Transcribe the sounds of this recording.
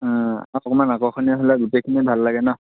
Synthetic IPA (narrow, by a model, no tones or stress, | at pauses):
aɔkɔmanakɔxʰɔniaɦolaɡutekʰinibʱalːaɡɛnɔ